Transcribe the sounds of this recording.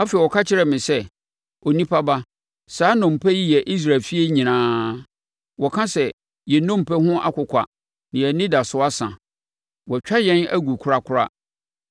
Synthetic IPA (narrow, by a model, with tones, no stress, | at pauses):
a˦fe˨wɔ˨kʰa˦t͡ɕʰɪ˦ɾɛ˨mɪ̃˨sɛ˦ | ɔ˨nĩ˦pʰa˦ba˦ | saː˨˦nɔ̃˨m˨pʰɛ˦ji˦jɛ˨ʔi˦s̬ɾa˨lfi˦e˦ɲĩ˨nãː˨˦ | wɔ˨kʰã˦sɛ˨ | jɛ˨nɔ̃˦m̩˨pɛ˦ɦʊ̃˦ʔa̰˦kʊ˨kʷʰa̰˨ | nɪ̃˨ɛ˨˦nɪ̃˦da˨sʊ˦a˦sã̰˨ | wɔ˨t͡ɕᶣa˦jɛ̃˦næ̰˦ɡu˨kʰʊ˨ɾa˦kʰʊ˦ɾa̰˦